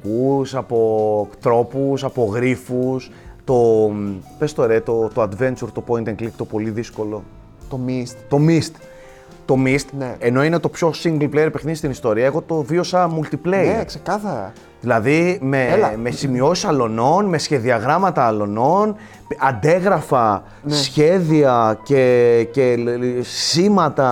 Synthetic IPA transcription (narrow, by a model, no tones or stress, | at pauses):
kusɐpo̞t̪ɾo̞pusɐpo̞ɣɾifus | t̪o̞ | pest̪o̞ɾet̪o̞t̪oɐd̪ve̞nt͡ʃuɾt̪o̞po̞int̪eŋklikt̪opo̞liðisko̞lo̞ | t̪omist̪t̪o̞mist̪ | t̪o̞mist̪neeno̞inet̪o̞pço̞siŋɡlplejɾepexnist̪inist̪o̞ɾiɐe̞ɣo̞t̪o̞vio̞sɐmult̪ipleksekɐθɐɾɐ̰ | ðilɐðime̞mesimio̞sisɐlo̞no̞nme̞sçe̞ðiɐɣɾɐmɐt̪ɐːlo̞no̞n | ɐnd̪e̞ɣɾɐfɐ | sçe̞ðiɐce̞ce̞ | simɐt̪ɐ